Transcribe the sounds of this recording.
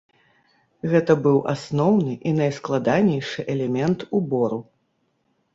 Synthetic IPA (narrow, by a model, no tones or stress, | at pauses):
ɣɛt̪ɐbɨwʔasnɔwnɨʔinɐjsklˠad̪anʲɛjʂɨʔɛlʲɛmʲɛnt̪ubɔɾu